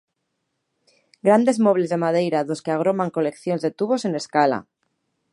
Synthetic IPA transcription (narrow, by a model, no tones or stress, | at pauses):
ɡɾand̪e̞zmo̞βle̞zðe̞mað̞e̞jɾaðo̞skeaɣ̞ɾo̞maŋko̞le̞kθjo̞nzðe̞t̪uβo̞se̞ne̞skala̰